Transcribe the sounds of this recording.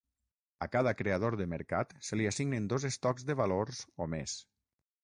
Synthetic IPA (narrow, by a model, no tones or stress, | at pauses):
akaðakɾeað̞oɾðəməɾka̰t̪səliasiɡnend̪ozest̪ɔkzðəβaloɾzomḛs